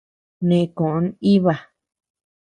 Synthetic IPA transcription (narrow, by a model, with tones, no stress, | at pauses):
nẽ˨˧kõ˨ʔo˧˦ni˦βa˧˨